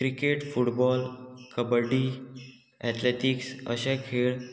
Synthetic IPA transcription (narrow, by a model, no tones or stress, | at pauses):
kɾikeʈfuʈbɔlkəbəɖi | ɛʈleʈiksə̰ɕakʰeɭ